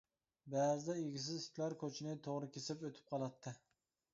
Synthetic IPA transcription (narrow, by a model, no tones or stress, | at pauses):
bæzɪd̪ɛeɡʲis̬ɪzɪ̥t̪ʰlæɾkʰøt͡ʃʰɪnɪt̪ʰoʁɾɨkʲʰesɪpøt̪ʰɪ̥p̚qʰɑlˠɑt̪ʰːɪ